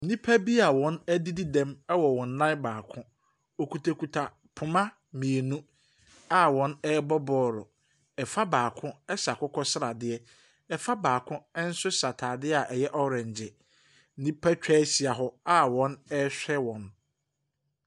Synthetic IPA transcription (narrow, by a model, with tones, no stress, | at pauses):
n̩˨nĩ˦pʰa˦bi˦a˨wɔ̃˦nɛ˦di˦di˦dɛ̃˦mɛ˦wɔ˨wɔ̃˨n˦nã˦baː˨kʰʊ̃˦ | o˨kʰu˨tʰa˨ku˨tʰa˨ | pʰʊ˨mã˦ | mĩ˨e˨nũ˦ | a˦wɔ̃˨˦nɛː˦bɔ˦bɔː˦ɾʊ˨ | ɛ˨fa˦baː˨kʰʊ̃˦ɛ˦sa˨kʰʊ˦kʰɔ˦sɪ˦ɾa˨dɪ˦ɛ˦ | ɛ˨fa˦baː˨kʰʊ̃˦ɛ˦n̩˦sʊ˦sa˨tʰaː˨dɪ˦a˨ʔɛ˨jɛ˦ʔɔ˦ɾɛ̃˨ɲ˨d͡ʑɪ˨ | n̩˦nĩ˦pʰa˦t͡ɕᶣʰɛ˦si˨a˨ɦɔ˦a˦wɔ̃˦nɛ˦ɕᶣɛ˦wɔ̃˨n